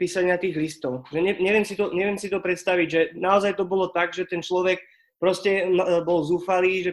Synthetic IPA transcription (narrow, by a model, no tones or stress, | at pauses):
piːsaɲɪat̪iːɣlist̪ɔʊʒɛɲɛɲɛʋɪɛmsit̪ɔɲɛʋɪɛmsit̪ɔpɾɛt̪st̪aʋiɟʒɛnaɔzajt̪ɔbɔlɔt̪aɡʒɛt̪ɛnt͡ʃlɔʋɛk̚ | pɾɔscɛbɔlzuːfaliːʒɛ